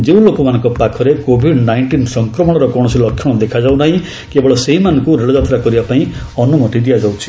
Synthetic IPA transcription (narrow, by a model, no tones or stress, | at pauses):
d͡ʒeũlokɔmanɔ̃ŋkɔpakʰɔɾekobʱiɖnajɳʈinsɔŋkɾɔmɔɽ̃ɔɾɔkɔɽ̃ɔsilɔkʰːjɔɽ̃ɔd̪ekʰad͡ʒaw̃naɦĩ | kebɔɭɔseɦimanɔŋkuɾeɭɔd͡ʒat̪ɾakɔɾibapaĩ | ɔnumɔʈiɖijad͡ʒawt͡ʃʰi̥